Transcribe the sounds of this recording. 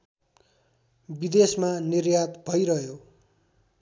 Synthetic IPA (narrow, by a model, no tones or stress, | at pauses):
bid̪esmanirjat̪bʱʌjɾʌɦjo